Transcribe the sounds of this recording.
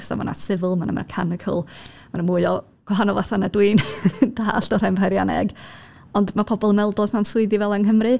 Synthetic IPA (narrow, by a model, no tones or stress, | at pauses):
sɔ̰ma̰na̰sɪvəlˠmanə̰mɛ̰rkʰanɪkʰə̰lˠ | manəmʊɨɔ | ɡ̥waɦanɔvaθanadwiːnd̥aːɬd̥ɔɾampʰajɾjanɛ̰ɡ | ɔndmapʰɔbɔlˠəmɛlˠdɔsnamsʊɨdivɛlˠanɦəmrɨ